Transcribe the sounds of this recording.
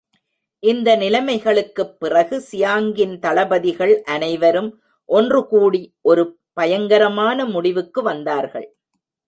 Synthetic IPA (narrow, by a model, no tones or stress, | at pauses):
ʔɪnd̪ɐnɪlɐmɐɪɣɐɭɯkːɯpːɪrɐɣɯsɪjaːŋɡɪnt̪ɐɭɐbɐðɪɣɐɭʔɐnɐɪʋɐɾɯm | ʔɔndrɯkuːɽiʔɔɾɯ | pɐjɐŋɡɐɾɐmaːnɐmʊɽɪʋɯkːɯʋɐnd̪aːɾɣɐ̰ɭ